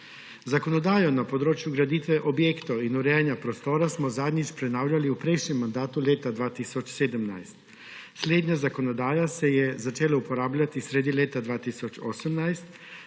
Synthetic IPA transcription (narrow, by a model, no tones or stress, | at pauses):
zakɔnɔd̪aːjɔnapɔd̪ɾoːt͡ʃjuɡɾad̪iːt̪ʋɛʔɔbjeːkt̪ɔinuɾɛjanjapɾɔst̪oːɾasmɔzaːd̪ɲispɾɛnaːwlʲjaliupɾɛjʃɲɛmːand̪aːt̪uleːt̪ad̪ʋaːt̪iːsɔt͡ʃseːd̪əmnajst̪ | sleːd̪ɲazakɔnɔd̪aːjasɛjɛzat͡ʃeːlaupɔɾaːblʲjat̪isɾed̪ileːt̪ad̪ʋaːt̪isɔt͡ʃɔːsəmnajst̪